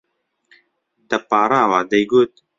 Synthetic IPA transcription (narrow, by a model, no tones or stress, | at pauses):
t̪ɐpaːɾˤaːwaːd̪ɛjɡoːt̪̚